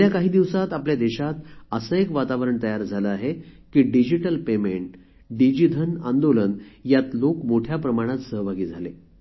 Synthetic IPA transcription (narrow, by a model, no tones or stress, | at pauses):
jakaɦiːd̪iʋsat̪apljad̪ɛɕat̪əsəekʋat̪aʋəɾəɳt̪əjaɾd͡zʱaləaɦekiːɖid͡ʑiʈəlpemeɳʈ | ɖid͡ʑid̪ʱənand̪olənjat̪lokmoʈʰjapɾəmaɽ̃at̪səɦbʱaɡiːd͡zʱale